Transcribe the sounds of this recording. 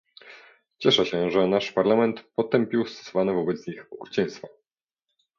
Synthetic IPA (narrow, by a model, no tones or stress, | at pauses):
t͡ɕɛʂɛɕɛʐɛnaʂpaɾlamɛnt̪pɔt̪ɛmpʲiwst̪ɔ̥sɔvanɛvɔbɛt̪sɲixɔkɾut͡ɕɛ̃j̃st̪fa